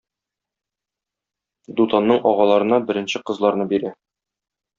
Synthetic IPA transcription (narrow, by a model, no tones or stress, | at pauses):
d̪ut̪ɑnːɤɴʔɒʁɑlˠɑɾɤ̆nɑbɘ̆ɾɘ̆nɕɘqɤ̆zlˠɑɾnɤbiɾæ